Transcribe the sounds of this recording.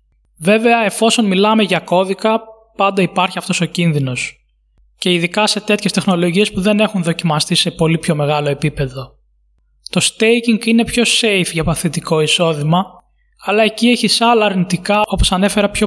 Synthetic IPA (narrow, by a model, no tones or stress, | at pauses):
ve̞ve̞ɐe̞fo̞so̞nmilɐme̞ʝɐko̞ðikɐ | pɐnd̪ɐipɐɾçiɐft̪o̞so̞cinðino̞s | ce̞iðikɐse̞t̪e̞t̪çest̪e̞xno̞lo̞ʝie̞spuðe̞ne̞xunðo̞cimɐst̪ise̞po̞lipço̞me̞ɣɐlo̞e̞pipe̞ðo̞ | t̪o̞st̪ejciŋɡine̞pço̞se̞jfʝɐpɐθit̪iko̞iso̞ðimɐ | ɐlɐe̞cie̞çisɐlɐːɾnit̪ikɐo̞po̞sɐne̞fe̞ɾɐpço